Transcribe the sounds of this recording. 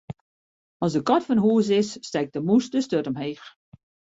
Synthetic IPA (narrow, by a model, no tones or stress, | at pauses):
ɔsdəkɔtfɔnhuəs̬ɪsːtɛk̚dəmusdəstøtəmheːx